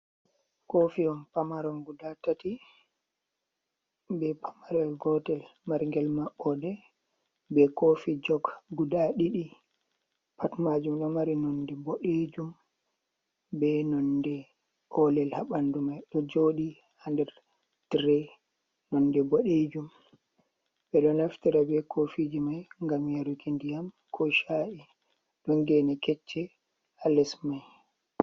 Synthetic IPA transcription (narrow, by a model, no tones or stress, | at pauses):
kofiɔnpamaɾɔnɡudatati | bɛpamaɾɛlɡɔtɛlmaɾiŋɡɛlmaɓːɔdɛ | bɛkofid͡ʒɔɡɡudaɗiɗi | patmad͡ʒumɗɔmaɾinɔndɛboɗed͡ʒum | bɛnɔndɛ | hɔlɛlhaɓandumajɗɔd͡ʒoːɗi | handɛɾ | tɾɛ | nɔndɛboɗed͡ʒum | bɛɗɔnaftiɾabɛkʰofid͡ʒimajŋɡamjaɾukʰendijam | kʰɔʃaʔi | ɗɔnɡɛnɛkɛt͡ʃːɛ | alɛsmaj